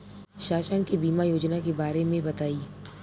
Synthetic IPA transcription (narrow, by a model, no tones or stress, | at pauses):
ʃaːʃənkebiːmajoːd͡ʒnakebaːɾemẽbɐt̪aːiː